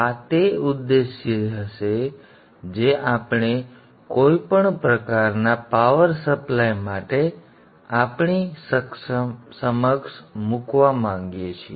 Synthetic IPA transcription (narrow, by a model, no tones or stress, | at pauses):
at̪eʊd̪ːeʃjəəʃe | d͡ʒeʔapɳ̃e | koipəɳpɾəkaɾnapaʋəɾsəplajmaʈe | apɳisəkssəməkʃmukʋamãŋɡjet͡ʃʰie